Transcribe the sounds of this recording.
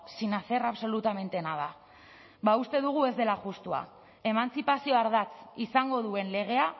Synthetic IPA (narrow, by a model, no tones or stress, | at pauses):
sinaθe̞raβso̞lut̪ame̞nt̪e̞nað̞a | baust̪e̞ðuɣ̞ue̞zd̪e̞laʝust̪ua̰ | e̞mant͡sipasio̞aɾðat͡sisaŋɡo̞ðue̞nle̞ɣ̞e̞a